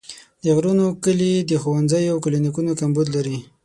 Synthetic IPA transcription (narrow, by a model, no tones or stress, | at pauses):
d̪əɣɾunokəlid̪əxowanzəjoawkʊlinikunokambud̪laɾi